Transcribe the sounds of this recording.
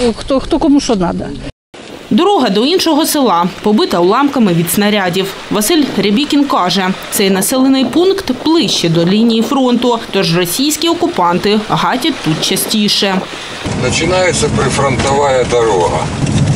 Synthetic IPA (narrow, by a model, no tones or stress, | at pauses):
xt̪ɔxt̪ɔkɔmuʃɔd̪nɑd̪ɐ | d̪ɔɾɔɦɐd̪ɔinʃɔɦɔsɪlˠɑpɔbɪt̪ɐwlˠɑmkɐmɪʋʲid̪snɐɾʲadʲiwʋɐsɪlʲrʲebʲikʲinkɑʒɛt̪sɛjnɐsɛlˠenɪjpunkt̪b̥lˠɪʃt͡ʃɛd̪ɔlʲinʲijifɾɔnt̪ʊt̪ɔʒrɔsʲijsʲkʲiɔkʊpɑnt̪ɪɦɑtʲɐt̪ːut̪̚t͡ʃɐsʲtʲiʃɛ | nɐt͡ʃɪnɑjet̪sʲːɐpɾɪfɾɔnt̪ɔʋɑjɐd̪ɐɾɔɦɐ̰